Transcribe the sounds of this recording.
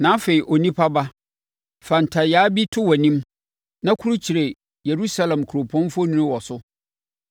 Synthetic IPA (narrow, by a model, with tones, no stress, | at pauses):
nãː˨˦fe˨i˨ʔo˨nĩ˦pʰa˦ba˦ | fa˨n̩˨tʰa˨jaː˨˦bi˦tʰʊ˦wɔ˨nĩ˦m | nã˦kʰu˦ɾu˦t͡ɕʰi˨ɾe˨ | je˨ɾu˦sa˦lɛ̃˨mkʰu˨ɾo˨pʰɔ̃˦n˦fo˦nũ˦nʊ̃˦wɔ˨sʊ˦